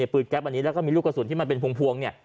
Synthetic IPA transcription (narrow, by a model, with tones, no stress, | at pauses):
pɯː˨˩t̪̚kɛ˦˥p̚ʔa˧nːi˦˥lɛ˦˥kɔː˥˩miː˧lu˥˩ka˧˩su˨˦nt̪ʰiː˥˩ma˧npe˧npʰu˧ŋpʰu˧əŋni˥˩ə